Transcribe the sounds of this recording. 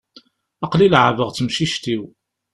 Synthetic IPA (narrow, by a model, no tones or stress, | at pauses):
ɑqlilʕəvəʁt͡sːəmʃiʃt̪iw